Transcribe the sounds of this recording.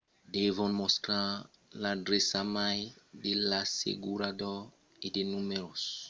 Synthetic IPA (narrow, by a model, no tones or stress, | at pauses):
d̪evɔ̃nmɔstɾa | ladɾesamajd̪elasḛɡuɾad̪ɔ | ed̪enumeɾos